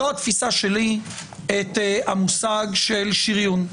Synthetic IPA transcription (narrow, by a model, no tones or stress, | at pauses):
oat̪fisaʃeli | et̪amusaɡʃe̞lʃiʁjun